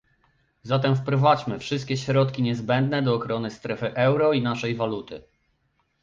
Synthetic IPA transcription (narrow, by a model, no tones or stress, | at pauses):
zat̪ɛmfpɾɔvad͡ʑmɘfʂɘst̪̚kʲɛɕɾɔt̪kʲiɲɛzbɛnd̪nɛd̪ɔːxɾɔnɘst̪ɾɛfɘʔɛwɾɔinaʂɛjvalut̪ɘ̰